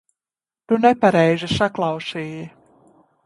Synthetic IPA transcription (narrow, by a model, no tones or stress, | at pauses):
t̪unepaɾɛjzisaklˠɑwsiːji